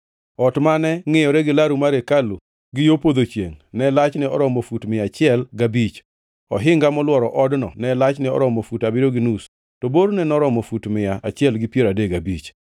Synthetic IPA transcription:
ɔtmanɛŋɪjɔɾɛɡɪlaɾumaɾekalu | ɡɪjopod̪ot͡ʃjḛŋnɛlat͡ʃnɪɔ̰ɾɔmofutmɪat͡ʃɪɛlɡabit͡ʃ | ɔɦɪŋɡamɔlwɔɾɔʔɔdnɔ̰nɛlat͡ʃnɪɔ̰ɾɔmɔfutabɪɾoɡɪnus | toboɾnɛnɔɾɔmɔfutmɪjaʔat͡ʃɪɛlɡɪpjeɾadeɡabit͡ʃ

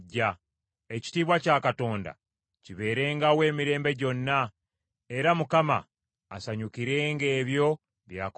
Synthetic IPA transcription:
a | e̞ci̥tiːβwacaːkato̞ːnda̰ | ciβe̞ːɾe̞ːŋɡawe̞ːmiɾe̞ːmbe̞ɟo̞nːa | e̞ɾamukama̰ː | saɲukiɾe̞ːŋɡe̞ːβjo̞ | βjaːk

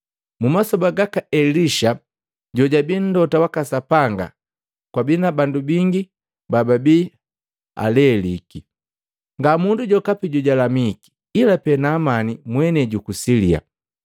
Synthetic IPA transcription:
mumasɔbaɡakaʔɛliʃa | ɟɔɟabin̩dɔtawakasapaŋɡa̰ | kwabinabandubiŋɡi | bababi | a̰lɛliki | ŋɡamunduɟɔkapiɟɔɟalamiki̥ːlapɛnaːmanimwɛnɛɟukusilia̰

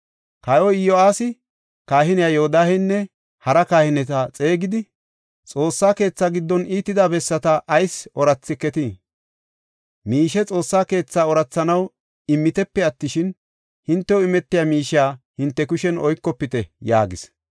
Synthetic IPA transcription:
kɐjɔɪjoaːsɪ | kaːɦɪnɪjaːjɔhɔd̪aːhɛnːɛ | hɐɾɐkaːhɪnɛt̪ɐt͡sʼe̞ːɡɪd̪ɪ | t͡sʼo̞ːsːaːke̞ːt͡sːaːɡɪd̪ːɔniːt̪ːɪd̪aːbɛsːɐt̪ɐʔɐjsɔɾɐt͡sːɪkɛt̪i | miːʃɛt͡sʼo̞ːsːaːke̞ːt͡sːaːɔɾɐt͡sːɐnɐw | ɪmːɪt̪ɛpːɛɐt̪ːɪʃɪn | hɪnt̪ːɛwɪmɛt̪ːɪjamiːʃaːhɪnt̪ːɛkʊʃɛnɔjkːɔpːɪt̪ɛja̰ːɡɪs

